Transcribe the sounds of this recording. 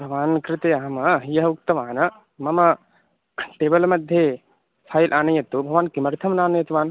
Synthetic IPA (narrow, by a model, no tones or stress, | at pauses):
bʱɐʋaːnkɾɪt̪eːaɦɐmɐɦijɐɦɐuk̚t̪ɐʋaːnɐ | mɐmɐ | ʈeːbɐlmɐd̪ʱje | pʰaːjlʔaːnɐjɐt̪ubʱɐʋaːnkimɐɾt̪ʰɐmnaːnɐjɐt̪uʋaːn